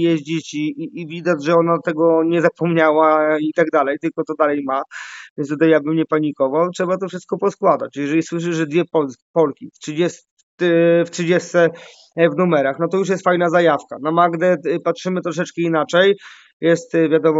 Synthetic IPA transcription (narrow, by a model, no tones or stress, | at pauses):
jɛʑd͡ʑit͡ɕivʲid̪ad͡ʑʐɛɔnat̪ɛɡɔɲɛzapɔmɲawait̪aɡd̪alɛjt̪ɘlkɔt̪ɔd̪alɛjmavʲj̃ɛnst̪ut̪ajabɘmɲɛpaɲikɔvawtʂɛbat̪ɔfʂɘst̪̚kɔpɔskwad̪a̰t͡ɕjɛʐɛlʲiswɘʂ̬ɘʂʐɛd̪vʲjɛpɔlspɔlkʲiftʂɨd͡ʑɛs | t̪ftʂɨd͡ʑɛst̪sɛ | vnumɛɾaxnɔt̪ɔjuʂ̬jɛst̪fajnazajafkanamaɡd̪ɛpat̪ʂɘmɘt̪ɾɔʂ̬ɛt͡ʂkɛinat͡ʂɛj | jɛst̪vʲjad̪ɔmɔ